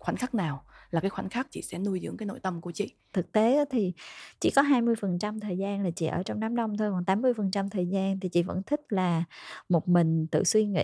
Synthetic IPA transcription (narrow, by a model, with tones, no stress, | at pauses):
xwaː˧˩˦n̟xa˦˥k̚naː˨˩wlaː˨˩kaː˨˦jxwa˧˩˦n̟xaː˦˥k̚t͡ɕḭ˧˨sɛ̰˧˥nu˧əjzɨ̰˧˥əŋkaː˨˦jno̰˧˨jt̪ə˧mku˧˩ət͡ɕḭ˧˨ | t̪ʰɨ˨˩k̚t̪e˨˦ʔaː˨˦t̪ʰi˨˩t͡ɕḭ˧˨kɔ˨˦ɦaː˧jmɨ˧əjfə˨˩nt͡ɕa˧mt̪ʰəː˨˩jzaː˧nlaː˨˩t͡ɕḭ˧˨ʔəː˧˩t͡ɕɔ˧wŋ͡mnaː˨˦mɗə˧wŋ͡mt̪ʰo˧jkɔ˨˩nt̪aː˨˦mːɨ˧əjfə˨˩nt͡ɕa˧mt̪ʰəː˨˩jzaː˧nt̪ʰi˨˩t͡ɕḭ˧˨və̰˧˥nt̪ʰï˦˥k̟̚laː˨˩mo˨˩t̚mï˨˩ŋ̟t̪ɨ̰˧˨swi˧ŋḭ˧˨